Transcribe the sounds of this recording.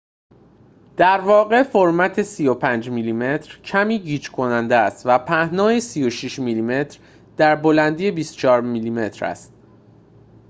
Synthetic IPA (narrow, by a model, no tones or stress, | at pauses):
d̪̥æɾvɒːɣe̞foɾmæt̪ʰe̞siːjopʰænd͡ʒmiliːme̞t̪ʰɾcʰæmiːɟiːd͡ʒkʰo̞nænd̪eæst̪væpʰæhnɒːjesijo̞ʃiʃmilime̞t̪ʰɾ | d̪̥æɾbo̞lænd̪ijebiːst̪o̥t͡ʃʰɒːɾmiliːme̞t̪ʰɾæ̰st̪